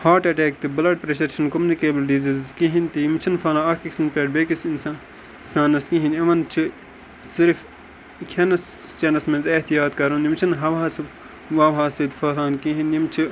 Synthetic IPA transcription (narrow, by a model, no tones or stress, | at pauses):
haːɾʈɐʈeːk̚t̪ɨbɐlɐɖ̚pɾeʃɐɾt͡ʃʰɐnkomunikeːbɐlɖizizzkiɦint̪iimt͡ʃʰɐnfɐlãːɐkiksinpeːɖ̚beːkisinsa | saːnɐskĩɦĩnɐʋɐnt͡ʃʰɨ | siɾf | kʲʰɐnɐst͡ʃɐnɐsmenzɐht̪ijaːt̪kɐɾunjimt͡ʃʰɐnɦɐʋɦaːsɨ | ʋɐʋɦaːsid̪fɐlaːnkĩɦinjimt͡ʃʰɨ